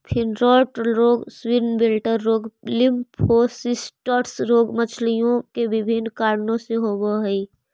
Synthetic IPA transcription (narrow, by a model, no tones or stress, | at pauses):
pʰɪnɾɔːʈɾoːɡswɪɾnbɪlʈəɾːoːɡlɪmpʰoːsɪsʈɔːʈsɾoːɡmət͡ʃʰlijõkebɪbʱɪnkaːɾnõseɦoːwoɦi